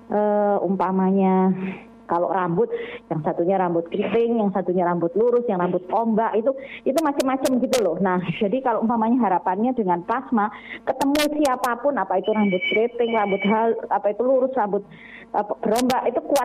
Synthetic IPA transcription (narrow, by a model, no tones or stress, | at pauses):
ʔəʔumpamaɲa | kalo̰rambʊt̪̚jaŋsat̪uɲaɾambʊt̪̚kɾit̪ɪŋjaŋsat̪uɲaɾambʊt̪̚luɾʊsjaŋrambʊt̪̚kombaʔit̪uit̪umat͡ʃəmːat͡ʃəmɡit̪ulʊhnahd͡ʒadikaloʔumpamaɲaɦaɾapanɲadəŋanplasmakət̪əmusiapapʊnapait̪uɾambʊt̪̚kɾit̪ɪŋrambʊt̪ɦalapait̪uluɾʊsrambʊt̪̚ | əb̥əɾombaʔit̪ukuat̪̚